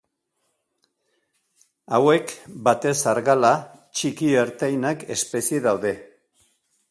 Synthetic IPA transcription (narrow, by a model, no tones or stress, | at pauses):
awe̞kbat̪e̞saɾɣalat͡ʃikieɾt̪ejnake̞spe̞sieðawðe̞